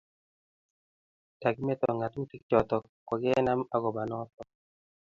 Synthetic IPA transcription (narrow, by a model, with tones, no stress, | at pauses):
ta˨ɡi˦mɛ˦t̪ɔ˨ŋa˨t̪mu˦ti˦k̚t͡ʃɔ˨t̪ɔ˨ | kɔ˨ɡɛ˦na˦ma˦ɡɔ˨ba˨nɔ˦t̪ɔ˦